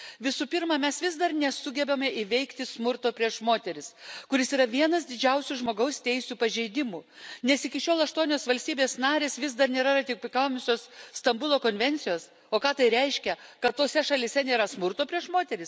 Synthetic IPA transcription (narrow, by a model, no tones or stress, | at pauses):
ʋʲɪsuːpʲɪɾmɑːmʲɛsʋʲɪs̬d̪ɐrnʲɛsʊɡʲɛbʲɛmʲeɪʋʲɛɪkt̪ʲɪsmʊɾt̪oːpʲɾʲiɛʃmoːt̪ʲɛɾʲɪskʊɾʲɪsiːɾɐʋʲiɛnɐsd̪ʲɪd͡ʒʲɛʊsʲuʒmoːɡɐʊst̪ʲɛɪsʲuːpɐʒʲɛɪd̪ʲɪmuːnʲɛsɪkʲɪʃʲoːlˠɐʃt̪uɔnʲoːsʋɐlʲsʲt̪ʲiːbʲeːsnɑːɾʲeːsʋʲɪsd̪ɐɾnʲeːɾɐrɐt̪ʲɪkʲpʲɪkɑːmʲʊsʲoːsst̪ɐmbʊlˠoːkoːnʲʋʲɛnʲt̪sʲɪjoːs | oːkɑːt̪ɐɪɾʲɛɪʃʲkʲɛkɐt̪t̪oːsʲɛʃɐlʲɪsʲɛnʲeːɾɐsmʊɾt̪oːpʲɾʲiɛʃmoːt̪ʲɛɾʲɪs